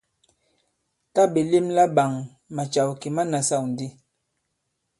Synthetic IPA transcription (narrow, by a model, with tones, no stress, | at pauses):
ta˦be˨li˦mla˦ɓa˨ŋ | ma˨t͡ʃa˨wki˨ma˦na˨sa˦˨wn˨di˦